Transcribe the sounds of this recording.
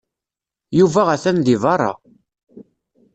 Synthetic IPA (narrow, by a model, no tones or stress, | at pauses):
juvæʁæθænðivɑrˤːɑ̰